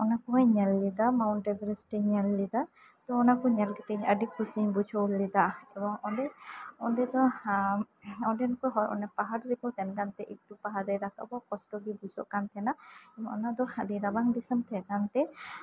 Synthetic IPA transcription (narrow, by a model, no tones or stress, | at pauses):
ɔnakɔŋajɲalːid̪amawnʈɛbɛɾɛsʈɛɲalːid̪a | t̪ɔɔnakɔɲalɡɛt̪ɛɲaɖikusiɲbut͡ʃʰɔwlːid̪aʔɛbɔŋɔdɛɔndɛd̪ɔ | ɔɖɛnkɔɦɔɾʔɔ̰nɛpaɦaɾɾikɔt̪ʰɛnkant̪ɛʔik̚tupaɦaɾɛɾaka̰ʔbɔkɔsʈɔɡibud͡ʒɔ̰ʔkant̪ʰɛnaɛbɔʔɔnad̪ɔhadiɾabaŋdisəmt̪ʰɛkant̪ɛ